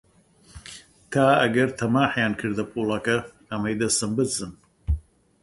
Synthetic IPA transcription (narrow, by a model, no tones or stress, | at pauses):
t̪ʰaːɐ̰ɡɐɾt̪ʰɐmaːħjaːnkʰɨɾd̪ɐpʰoːlakɐ | ɐmɐjd̪ɐsɐmbɨt̪zɨn